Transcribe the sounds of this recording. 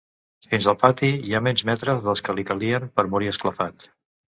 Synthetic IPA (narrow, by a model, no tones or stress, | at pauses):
finzəlˠpat̪iiamɛnzmɛt̪ɾəzðəlˠskəlikəliəmpəɾmuɾiəskləfat̪